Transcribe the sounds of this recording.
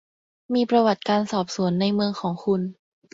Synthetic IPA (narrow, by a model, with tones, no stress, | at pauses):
miː˧pɾa˧wa˨˩t̪̚kaː˧nsɔː˨˩p̚su˨˩˦ənːa˧jmɯ˧əŋkʰɔː˩˦ŋkʰu˧n